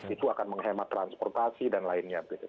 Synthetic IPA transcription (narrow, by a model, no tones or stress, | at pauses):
it̪uakanməŋɦemat̪ːɾanspɔrt̪asidanlaɪnɲabəɡit̪u